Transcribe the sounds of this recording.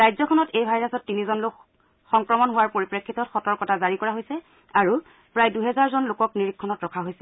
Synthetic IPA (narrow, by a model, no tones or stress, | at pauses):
ɹajzɔkʰɔnɔtejbʱajɹasɔtːinizɔnlok | xɔŋkɹɔmɔnɦʊwaɹpoɹipɹekʰːitɔtxɔtɔɹkɔtazaɹikɔɹaɦojsɛ | aɹu | pɹajduɦɛzaɹzɔnlokɔkniɹikʰːɔnɔtɹɔkʰaɦojsɛ